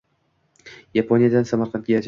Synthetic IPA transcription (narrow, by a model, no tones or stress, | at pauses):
japʰonijad̪ansamaɾqʰɑnt̪̚ɡʲajad͡ʒ